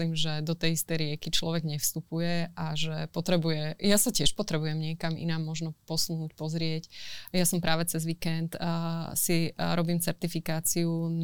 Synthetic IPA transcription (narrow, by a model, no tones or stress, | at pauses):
liːmʒɛd̪ɔt̪ɛjist̪ɛjɾɪɛkit͡ʃlɔʋɛɡɲɛfst̪upujɛʔaʒɛpɔt̪ɾɛbujɛjasacɪɛʃpɔt̪ɾɛbujɛmɲɪɛkamḭnaːmːɔʒnɔpɔsunuːcpɔzɾɪɛcjasɔmpɾaːʋɛt͡sɛzʋikɛnt̪siɾɔbiːmt͡sɛɾt̪ifikaːt͡siun